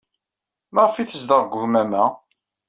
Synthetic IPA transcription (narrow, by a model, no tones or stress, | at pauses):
mɑʁfiθəsd̪əʁɡʷʊhmæmæ